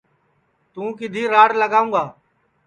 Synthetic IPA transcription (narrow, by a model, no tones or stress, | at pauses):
t̪ũːkɪd̪ʱiːɾaːɽləɡaːũːɡaː